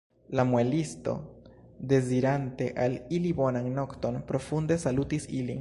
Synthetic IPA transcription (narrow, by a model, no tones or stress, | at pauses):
lamwelisto̞̰ | d̪e̞ziɾante̞ʔalilibo̞nanno̞kt̪o̞npɾo̞fund̪e̞salutisilin